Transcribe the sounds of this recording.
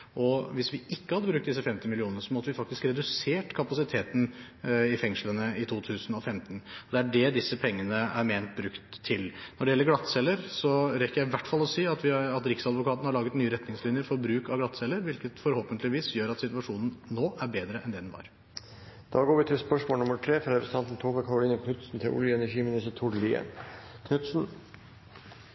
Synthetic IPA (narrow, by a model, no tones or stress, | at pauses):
ʔɔʋɪsʋɪʔɪkːəhɑd̪ːəbɾʉkt̪̚d̪ɪsːəfɛmt̪ɪmɪlɪuːnəəsɔmɔt̪əʋɪfɑkt̪ɪskɾɛd̪ʉseːʈkʰɑpɑsɪt̪ʰeːt̪n̩ | ɪfɛŋʂlənəɪt̪ʰuːt̪ʰʉːsnɔfɛmt̪nɔd̪ɛæɖɛd̪ɪsːəpʰɛŋːənəæɾmeːnt̪̚bɾʉkt̪ʰːɪlnɔɖɛjɛlːəɾɡlɑt̪ːsɛlːəɾsɔɾɛkəɾjæɪʋæʈːfɑlːɔsiːɑt̪ʋɪɑt̪ɾɪksɑd̪ʋʊkɑːt̪nəhɑɭɑːɡət̪nyːəɾɛt̪nɪŋslɪnjəɾfɔɾbɾʉːkɑʋɡlɑt̪sɛlːəɾʋɪlkət̪fɔɾhoːpənt̪lɪʋiːsjøːɾɑt̪sɪt̪ʋɑʂuːnn̩noːʔæɾbeːd̪ɾəʔɛ̰nd̪ɛd̪nʋɑ̰ːɾ | d̪̥ɑːɡoːɾʋɪt̪ʰɪlspœʂmoːlnʊmːəʈ̪ʰɾeːfɾɾəst̪ɑnt̪n̩t̪ʰoːbəkʰɑɾʊliːnəkʰnʉt̪sn̩t̪ʰɪlʔʊ̰ljəɛnæʂiːmɪnɪsət̪ʰʊɖəliːə̰nkʰnʉt̪sn̩